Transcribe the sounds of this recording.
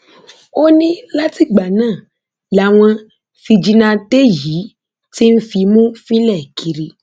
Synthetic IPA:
o˦nĩ˦la˦ti˦˨ɡ͡ba˨nãː˦˨ | la˨w̃ɔ̃˧ | fi˧d͡ʒi˧nã˧te˦ji˨˦ | ti˦n̩˦fi˧mũ˦fĩ˦lɛ˦˨kʰi˧ɾi˧

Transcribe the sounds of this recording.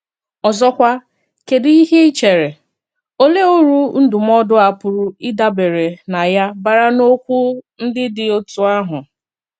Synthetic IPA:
ɔ˨zɔ˦kʷa˦ | ke˨di˦i˦ɦe˦t͡ʃe˨ɾe˨ | o˦le˦o˦ɾu˦n̩˦dʊ˨m̩˦ɔ˦dʊ˦a˨pʊ˨ɾʊ˨ɪ˦da˦be˨ɾe˨na˨ja˦ba˨ɾa˦no˦kʷu˦n̩˦dɪ˦dɪ˨o˦tu˨a˦ɦʊ˨

